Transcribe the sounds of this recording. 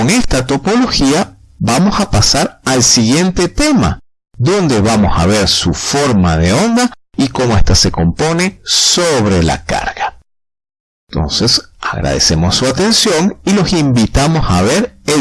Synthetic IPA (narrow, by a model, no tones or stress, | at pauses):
oŋe̞st̪at̪o̞po̞lo̞xia | βamo̞sapasaɾalsiɣje̞nt̪e̞t̪e̞ma̰ | ðo̞nd̪e̞βamo̞saβe̞ɾsufo̞ɾmaðe̞o̞nd̪aiko̞mo̞est̪ase̞ko̞mpo̞ne̞soβɾe̞la̰ka̰ɾɣa | ntt̪o̞̰nse̞saɣɾa̰ð̞e̞̰se̞mo̞sːuat̪e̞nsjo̞ŋilo̞simbit̪amo̞saβe̞ɾe